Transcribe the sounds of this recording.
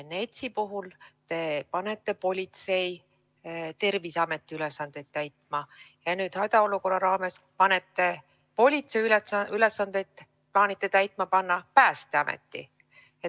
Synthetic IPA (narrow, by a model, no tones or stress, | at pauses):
ne̞t̪sipuɦult̪e̞pɑne̞t̪ˑːe̞po̞lʲit̪se̞j | t̪e̞rvisɑme̞t̪ːˑiylesːɑnd̪̥e̞t̪̚t̪ːæjt̪ˑmɑjɑnyːd̪̥hɑjd̪̥ɑo̞luko̞rɑɾɑːme̞s | pɑne̞t̪ːe̞ | po̞lʲit̪se̞jyeyle̞sːɑnd̪̥ejt̪ | plɑːnit̪ːˑe̞t̪æjt̪ˑmɑpɑnːɑpæːst̪eɑmḛt̪ˑːi | e